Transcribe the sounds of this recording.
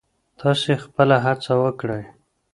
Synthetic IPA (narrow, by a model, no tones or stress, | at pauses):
t̪ʰɑsexpəlaɦat͡sawəkɽəj